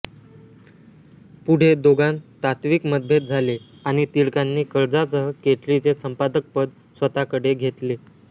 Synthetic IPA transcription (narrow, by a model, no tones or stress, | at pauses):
puɽ̤ed̪oɡant̪at̪ʋikməd̪̚bʱet̪̚d͡zʱale | aɽ̃it̪iɭkanːiːkəɾd͡zasəɦəkeʈlit͡sesəmpad̪ək̚pəd̪̚ | sʋət̪akəɽeɡʱet̪le